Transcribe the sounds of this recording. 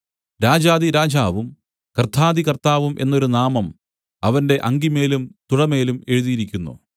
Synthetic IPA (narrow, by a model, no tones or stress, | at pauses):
ɾaːd͡ʑaːðiɾaːd͡ʑaːʋum | kɐrt̪ʰaːðikɐrt̪aːʋumʔe̞̰nːo̞ɾunaːmɐm | ɐʋɐnde̞ʔɐŋɡime̞ːlumt̪uɽɐme̞ːlume̞ɻuðijiɾikʲːunːṵ